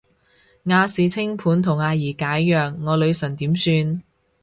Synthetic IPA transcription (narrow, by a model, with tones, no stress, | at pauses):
ŋaː˨˧siː˨t͡sʰɪ˥ŋpʰuː˨˥nt̪ʰʊ˨˩ŋaː˨˧jiː˨˩kaː˨˥jːœː˨ŋːɔː˨˧lɵ˨˧ɥsɵ˨˩ŋt̪iː˨˥msyː˧n